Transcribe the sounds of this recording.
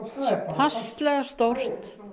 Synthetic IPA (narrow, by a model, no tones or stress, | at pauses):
pʰast̪lɛɣast̪ɔr̥t̪